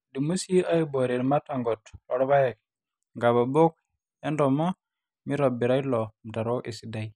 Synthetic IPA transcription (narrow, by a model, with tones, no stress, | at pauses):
di˨mu˦si˦a˦i˦bo˨ɾi˨ɾma˦ta˨ŋɡɔ˨tlɔ˨ɾba˦je˨k | ŋɡa˨ba˨bo˦k̚ | e˦ndɔ˨mɔ˦ | mi˦ɾo˨bi˨ɾa˦jlɔ˨da˨ɾo˦ʔe˨si˨da˦˨j